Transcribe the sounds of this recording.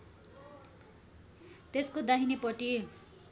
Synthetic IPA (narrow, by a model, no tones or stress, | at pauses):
t̪eskod̪aɦinipʌʈi